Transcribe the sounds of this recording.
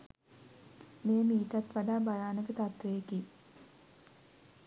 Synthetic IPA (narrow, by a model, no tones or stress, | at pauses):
meːmiːʈat̪ʋaɖaːbajaːnəkət̪at̪ʋejekiː